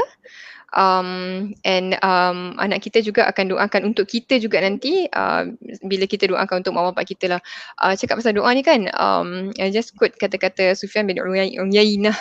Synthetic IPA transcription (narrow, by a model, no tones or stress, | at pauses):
ʔəmʔɛ̃nəmʔa̰naʔkit̪əd͡ʒuɡaʔakandoʔakanunt̪ʊʔkit̪əd͡ʒuɡaʔnant̪iʔə̰biləkit̪ədoʔã̰kanunt̪ʊkʔ̚mãwampaʔkit̪əlahʔə̰t͡ʃakat̪̚ʔ̚pas̬aldoʔanikanə̰majd͡ʒaskut̚kat̪akat̪əsufianbɛnuŋjainah